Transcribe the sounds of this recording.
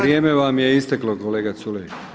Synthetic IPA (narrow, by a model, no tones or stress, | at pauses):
ɾjeːme̞ʋamjeist̪eklokoleːɡat̪sule